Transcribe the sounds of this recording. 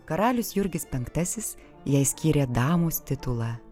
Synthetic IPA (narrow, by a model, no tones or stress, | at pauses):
kɐɾɑːlʲʊsjʊɾʲɡʲɪspʲɛŋkt̪ɐsʲɪs | jɛɪsʲkʲiːɾʲɛːd̪ɑːmuːst̪ʲɪt̪ʊlˠɑ